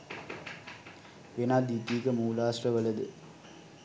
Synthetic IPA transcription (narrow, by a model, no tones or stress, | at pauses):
ʋenaːd̪it̪iːkəmuːlaːsrəʋələd̪ɨ